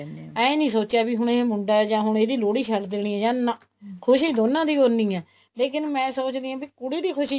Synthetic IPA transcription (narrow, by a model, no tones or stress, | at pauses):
ɛ̃ːenĩːsoːt͡ʃjaːbiːɦʊɳeːmʊɳɖaːɛːd͡ʒãːɦʊɳeːd̪iːloːɽiːkʰɛːld̪eːɽ̃iːɛ̃ːd͡ʒãːnãː | kʰʊʃiːd̪oːnãːd̪iːoɾnĩːɛː | leːkɪnmɛ̃ːsoːt͡ʃd̪iːãːbiːkʊɽiːd̪iːkʰʊʃi